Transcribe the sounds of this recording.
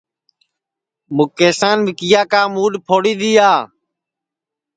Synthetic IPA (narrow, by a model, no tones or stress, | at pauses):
mʊkːeːsaːnʋɪkɪjaːkaːmuːɗpʰoːɽiːɗ̪iːaː